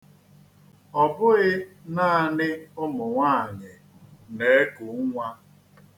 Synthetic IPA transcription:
ɔ˨bʊ˦ɣɪ˦na˦a˦˨nɪ˦ʊ˦mʊ˨ŋʷa˦˨ɲɪ˨ | ne˨˦e˦kʊ˨˦ŋʷa˦

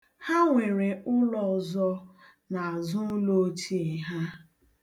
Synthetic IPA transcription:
ha˦ŋʷe˨ɾe˨ʔʊ˦lɔ˨zɔ˦ | na˨a˨zʊ˦lo˦t͡ʃi˦˨ɦa˦

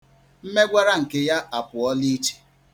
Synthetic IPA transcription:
m̩˦me˦ɡʷa˦ɾa˦ŋ̩˨ke˦ja˦ʔa˨pʊ˨ɔ˦li˦t͡ʃe̥˨

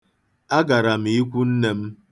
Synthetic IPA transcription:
a˦ɡa˨ɾa˨m̩˨i˦kʷu˦n̩˦ne˦m̩˦

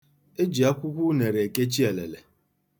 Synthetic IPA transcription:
e˦d͡ʒi˨a˦kʷu˦kʷu˦ne˨ɾe˨e˨ke˦t͡ʃi˦e˨le˨le˨

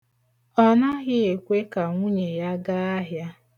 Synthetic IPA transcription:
ɔ˦na˦ɣɪ˦e˨kʷe˦ka˨ŋʷu˦ɲe˨ja˦ɡa˦a˦ɦja˦

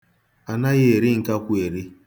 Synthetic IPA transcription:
a˨na˦ɣɪ˦e˨ɾɪ˦ŋ̩˨ka˦kʷu˦e˨ɾi˦

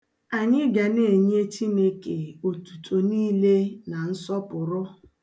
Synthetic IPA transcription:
a˨ɲɪ˦ɡa˨ne˦˨ɲe˦t͡ʃi˦ne˦ke˨o˨tu̥˨tʰo˨niː˦le˦na˨n̩˦sɔ˦pʊ˨ɾɔ˦

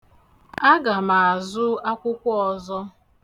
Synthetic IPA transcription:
a˦ɡa˨ma˨a˨zʊ˦a˦kʷʊ˦kʷʊ˦ɔ˨zɔ˦

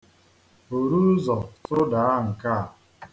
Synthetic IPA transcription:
o˨ɾu˦zɔ˨tʊ˦da˨a˦ŋ̩˨ka˦˨

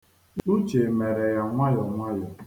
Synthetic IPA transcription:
u˦t͡ʃe˨me˨ɾe˨ja˨ŋʷa˦jɔ˨ŋʷa˦jɔ˨

